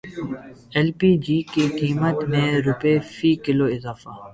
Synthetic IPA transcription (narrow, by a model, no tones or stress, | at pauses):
ɛlpiːd͡ʒiːkikiːmət̪mẽɾʊpefiːkɪloːɪzaːfaː